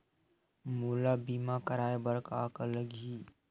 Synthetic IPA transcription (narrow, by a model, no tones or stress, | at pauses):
muːlabiːmakəɾaːebəɾkaːkələɡʱiː